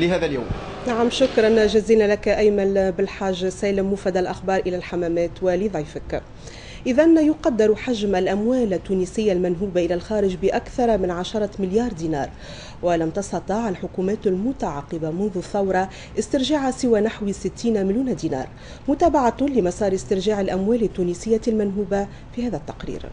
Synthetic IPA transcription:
lɪɦæːðæljaːm | naʕamʃʊkɾˤɑnʒɪziːlnælakʔæjmænbɪlħaːʒːsæːlɪmːʊfæd̪alʔaxbɑːɾˤʔɪlælħamæːmæːt̪wɪlɪðˤɑjfɪk | ʔɪðænjʊqɑd̪ːɪɾħaʒmælʔæmwæːlat̪ːuːniːsɪjːalmænɦuːbaʔɪlælxɑːɾɪʒbɪʔakθɑɾˤmɪnʕaʃɑɾˤɑmɪljɑːɾˤd̪iːnɑ̰ːɾˤ | wɪlæmt̪ɑst̪ɑt̪ˤiːʕalħʊkumæːt̪almʊt̪aʕɑqːɪbamʊnðʊθːɑwɾˤɑ | ʔɪst̪ɪɾʒaʕasɪwæːnaħwsɪt̪ːiːnmɪljuːnad̪iːnɑ̰ːɾˤ | mʊt̪æːbaʕalɪmɑsˤɑːɾɪst̪ɪɾʒaːʕalʔamwæːlɪt̪ːuːniːsɪjːalmænɦuːba | fiːhæːðæt̪ːɑqɾḭːɾ

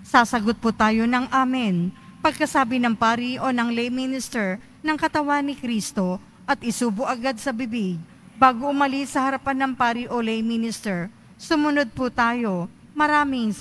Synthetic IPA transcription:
saːsɐɡot̪̚put̪aːjo̞nɐŋʔaːmɪnpɐɡ̚kɐsaːbɪnɐŋpaːɾiʔo̞nɐŋlɛjminɪst̪ɛɹ | nɐŋkɐt̪ɐwanɪkɾiːst̪o̞ | ʔɐt̪ʔɪsuːbʊʔɐɡad̪̚sɐbɪbiɡ̚ | baːɡoʔʊmɐlisɐhɐɾɐpanːɐŋpaːɾiʔolɛjminɪst̪ɛɹ | sʊmʊnod̪̚put̪aːjo̞ | mɐɾaːmɪŋ

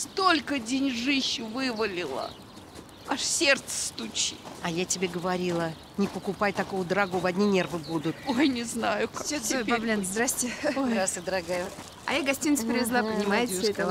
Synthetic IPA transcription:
st̪o̞lʲkədʲenʲʐɨɕːɪvɨvəlʲɪlˠə̰ | aʂsʲert̪sə̥st̪ʊt͡ɕiɐjatʲɪbʲeɡəvaɾʲilˠə | nʲɪpəkʊpajt̪ɐkojəd̪əɾɐɡovɐdʲnʲinʲervɨbud̪ʊt̪̚ojnʲɪznajʊkasʲeojpablʲenzd̪ɾasʲtʲɪoɾasɨd̪əɾɐɡaj̪ | ɐ̰jaɡɐsʲtʲinʲt̪sə̥pɾʲɪvʲɪzlˠapənʲɪmajɪt̪səɛ

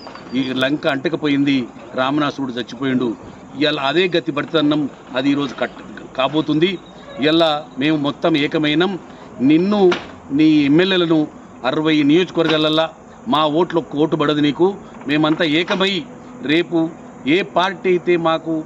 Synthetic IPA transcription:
ilɐŋkɐːɳʈɐkɐpo̞ːjind̪i | ɾaːmɐnaːsuːɽud͡ʒ̪ɐt͡ʃːipoːjuɳɖu | ɐlːɐɐd̪e̞ːɡɐt̪ibɐɽt̪ɐd̪ɐnːɐm | ɐd̪iːɾo̞ːd͡ʒukɐ | kaːbo̞ːt̪und̪i | ɐlːame̞ːmumɔt̪ːɐmɛːkɐmɐjnɐm | ninːu | niːemːeljeːlɐnu | ɐɾɐʋɐjnijo̞ːd͡ʒɐkɐʋɐɾɡaːlːɐlːaː | maːo̞ːʈlɐokːɐoːʈ̬ːubɐɽɐd̪uniːku | me̞ːmɐnt̪aːɛːkɐmɐji | ɾe̞ːpu | eːpaːɾʈiɐjit̪e̞ːmaːku

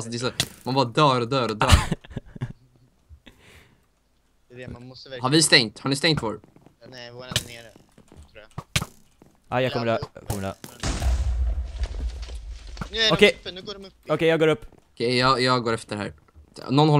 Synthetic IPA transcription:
lsɔd̪ɛsamanvɑd̪œːɾɔd̪œːɾɔd̪œː | havɪst̪ɛŋt̪haɳɪst̪ɛŋt̪fɔːɾ | a̰jakʰɔməkʰɔmə̰ | ɔkʰɛ | ɔkɛjɑːɡoːɾɵpː | ɔkʰɛjɑːjɑːɡɡoːɾɛft̪əɦæ̰ːɾ | nɔnhɔl

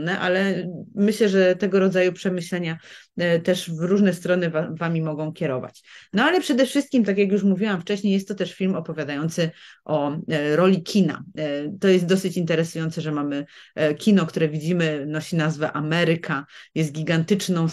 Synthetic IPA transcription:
nɛʔa̰lɛmɘɕlɛʐɛt̪ɛɡɔɾɔd̪zajupʂɛmɘɕlɛɲat̪ɛʂvɾuʐnɛst̪ɾɔnɘvavamʲimɔɡɔ̃w̃kʲɛɾɔva̰t͡ɕnɔalɛpʂɛd̪ɛfʂɘst̪kʲimt̪akʲjak̬juʂmuvʲiwamft͡ʂɛɕɲejɛst̪ːɔt̪ɛʂfʲilmɔpɔvʲjad̪ajɔnt̪sɘʔɔɾɔlʲikʲina̰t̪ɔjɛst̪̚d̪ɔsɘt͡ɕint̪ɛɾɛsujɔnt̪sɛʐɛmamɘkʲinɔk̚t̪uɾɛvʲid͡ʑimɘnɔɕinazvɛʔamɛɾɘkʰajɛs̬t̪̚ɡʲiɡant̪ɘt͡ʂnɔ̃w̃

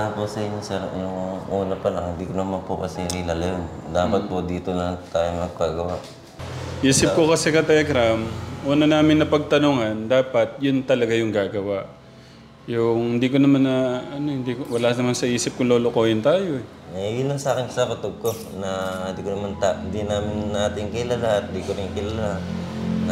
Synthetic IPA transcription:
aposɐʔɪɲːosɛɾjʊŋuːnɐpɐlaŋhɪnd̪iːkonɐmanpokɐsɛɾilalɐjon | d̪aːpɐt̪̚pod̪iːt̪onɐt̪aːjoŋnɐɡ̚paɡɐwaʔ | ʔiːsɪp̚kokɐsɛkɐt̪ɛlɛɡɾamʔuːnɐnaːmɪnːɐpɐɡ̚t̪ɐnuːŋɐnd̪aːpɐt̪̚jʊnt̪ɐlɐɡajʊŋɡaːɡɐwaʔ | jʊŋhɪnd̪iːkonɐmanɐɐno̞hɪnd̪ikowɐlaːnɐmansɐʔiːsɪp̚kʊŋloːlokoːhɪnt̪aːjo̞ɛ | ɛjʊnɐŋsɐaːkɪnsɐpɐt̪oɡ̚ko | nɐhnd̪iːkonɐmant̪and̪inaːmɪnːaːt̪ɪŋkɪlɐlaʔɐt̪̚ɪd̪iːkoɾɪŋkɪlɐlan

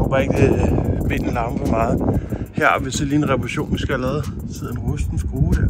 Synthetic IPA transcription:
ob̥ɑ̈ːe̝ɡ̥əmen̰̩lɑ̈məfɒmɑ̈ːð̩ˠhæɐ̰ɒʋe̝seliːenʁɛpʰʁɕo̝̰ːnʋisɡ̥æælɛːð̩ˠ | sʰeð̰ˠnʁusd̥n̩sɡ̥ʁuːd̥ə

